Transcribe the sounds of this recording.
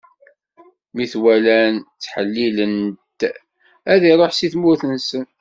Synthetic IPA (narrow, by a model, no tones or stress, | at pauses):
miθwælænt͡sːħəlːilənt̪ | æðæjɾˤoħsiθmʊɾθənsən